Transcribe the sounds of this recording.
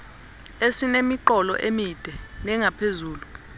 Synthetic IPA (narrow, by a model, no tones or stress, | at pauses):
esinemiǃɔlɔ̰ʔemid̥ʱɛnɛŋapʰezuːlu